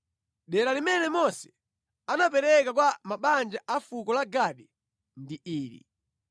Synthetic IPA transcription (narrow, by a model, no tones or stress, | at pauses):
ɗɛɾalimɛnɛmɔsɛ̥ | anapɛɾɛkak̬wamaɓand͡ʒaʔafukɔlaɡaɗi | ndiiːɾḭ